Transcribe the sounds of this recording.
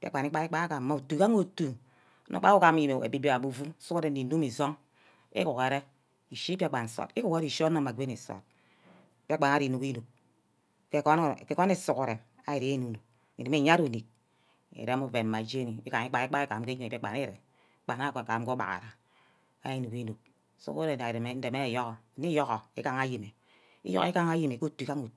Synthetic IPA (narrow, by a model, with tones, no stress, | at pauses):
pḭ˦˨˦k͡pa˨ni˦k͡pa˦i˦k͡pa˦na˦ka˨˦ma˨u˨tu˨ka˦ŋ˦o˨tu˨˦ | no˨˦k͡pa˦u˦ka˨m˨˦ji˨me˨ḛ˨bi˦bi˦a˨mu˦˨vu˦su˦ko˦ɾe˨˦i˨nu˦mi˨zo˦ŋ | ḭ˦ku˨ke˨ɾe˦ | i˨ʃi˦pa˦˨k͡pa˨n̩˨˦so̰˨ti˦ku˦ke˦ɾi˨ʃo˦o˦˨ma˨ɡʷe˦ne˨so̰˨t̚ | pi˦k͡pa˨na˦ɾi˨nu˨ki˦nu˨k̚ | ke˦kke˦ko˦ne˦˨su˨ko˨ɾe˨ | a˨i˨ɾi˨˦e˦nu˨nu˨k̚ | i˨ni˨me˦˨ɲa˦ɾu˨ni˨k̚ | ḛ˨ɾe˦mu˨ve˨ma˨d͡ʒe˦ni˨i˦ka˨ŋi˦k͡pa˨i˦k͡pa˦i˦ka˨mke˦ɲi˦˨pk͡pa˨ne˦˨ɾe˨˦ | k͡pa˨na˦˨kka˨˦ko˦ba̰˨ɣa̰˨ɾa˨ | a˦i˦nu˨ki˦nu˨k̚ | sṵ˦ku˦ɾe˨a˨ɾe˨me˨˦n̩˦de˨me˦˨jɔ˦ɣɔ˨ni˦jɔ˦ɣɔ˨i˦ka˦ŋa˦ji˨me˨ | ḭ˦jo̰˦ki˦ka˦ŋa˦ji˦me˨ko˦˨tu˨˦ka˦ŋu˨t